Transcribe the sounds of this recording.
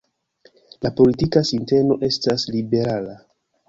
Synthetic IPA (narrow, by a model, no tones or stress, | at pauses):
lapo̞litikasinte̞no̞ʔe̞staslibe̞ɾala